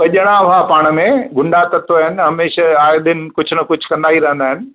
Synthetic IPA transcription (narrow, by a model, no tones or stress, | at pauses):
ɓɐʄəɽ̃aʋapaːɽ̃əmẽɡʱʊɳɖat̪ɐt̪oɦɪnɪ̆ɦɐmeːʃaaːjd̪ɪnɪ̆kʊd͡ʑʱʊnɐkʊd͡ʑʱkɐ̃nd̪aːɦiɾɐ̃ɦə̃nd̪aːɪnɪ̆